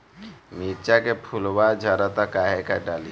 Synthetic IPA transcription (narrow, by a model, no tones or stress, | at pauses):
mit͡ʃakepʰʊlwad͡ʒʱaɾat̪akaɦekaɖaːli